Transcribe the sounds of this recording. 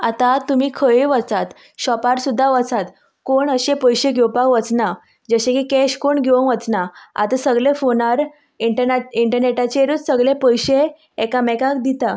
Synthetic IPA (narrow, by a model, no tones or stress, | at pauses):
at̪at̪umiːkʰəjiʋət͡sat̪ | ɕɔpaɾsud̪ʱːaʋət͡sat̪ | koɳəɕepəjɕeɡʱewpakʋət͡sna | d͡zəɕẽkikɛɕkoɳɡʱeəʋət͡snaa̰t̪əsəɡɭefonaɾ | iɳʈənaiɳʈəɾneʈat͡ɕeɾut͡ssəɡɭepəjɕeː | kamɛkak̚d̪it̪a